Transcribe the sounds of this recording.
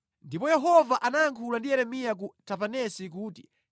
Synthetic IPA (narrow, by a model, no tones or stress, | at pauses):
ndipɔjɛɦɔvaʔanajaŋkʰulandijɛɾɛmijak̬utʰapanɛsik̬uːti̥